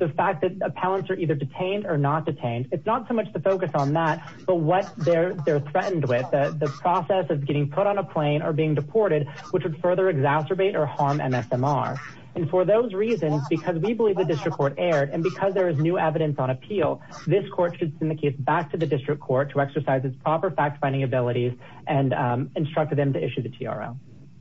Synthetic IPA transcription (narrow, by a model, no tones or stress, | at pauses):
ðɨfæk̚ðɨɾɨpʰælˠə̃ntsə˞ʔiðə˞dɨtʰẽɪ̃ndə˞nət̚d̥ɨtʰẽɪ̃ndɨtsnətsoʊmʌt͡ʃðɨfoʊkɨsn̩ðæt̚ | b̥ʌt̚wʌt̪̚ðə˞ðə˞θɹɛʔn̩d̚wɪðɨðɨpʰɹ̥ɔsɛsʌvɡɛɾɪ̃ŋpʰʊɾn̩əpʰl̥ẽɪ̃nə˞biɪ̃ŋdɨpʰɔɹɾɨd̚wɨt͡ʃwəd̥fɜ˞ðə˞ɨɡzæsə˞beɪɾə˞hɑɹmɛ̰̃mɛsɛ̃mɑ̰ɹ | ɨ̃nfə˞ðoʊzɹizɨ̃nzbɨkʰʌzwibəlivðɨdɪstɹ̥ɨkʰɔɹɾɛɹɾɨ̃nbɨkʰʌzðə˞ɨznʉɛvɨɾɨ̃nsn̩ɨpʰilˠ | ðɪskʰɔɹtʃɨd̥sɛ̃nðɨkʰeɪsbæk̚tʰɨðɨdɪstɹ̥ɨkʰɔɹtʰəɛksə˞saɪzɨtspʰɹ̥ɑpə˞fæk̚tfãndɪ̃ŋɨbɪlˠəɾiz | ʔɨ̃nɨ̃nstɹ̥ʌk̚t̪̚ðɨ̃mtʰɨɪʃʉðɨtʰiɑ̰ɹo̰ʊ